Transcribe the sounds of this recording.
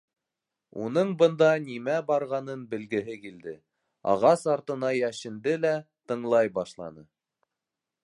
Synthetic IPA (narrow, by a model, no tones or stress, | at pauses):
ṵnɤɴbɤ̆nd̪ɑnimæbɑɾʁɑnɤnbɘ̆lɡɘ̆ɦɘkild̪ɘ | ɑ̰ʁɑsɑɾt̪ɤ̆nɑjæʃɘ̆nd̪ɘlæt̪ɤ̆ɴlˠɑjbɑʃlˠɑ̰nɤ